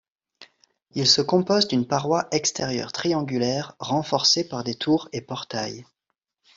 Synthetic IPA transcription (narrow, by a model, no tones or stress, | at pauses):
ilsəkɔ̃pɔzd̪ynpaʁwaʔɛkst̪ʰeʁjœ̰ʁt̪χiɑ̃ɡʲylɛʁːɑ̃fɔʁsepaʁd̪et̪ʰuʁepɔʁt̪aj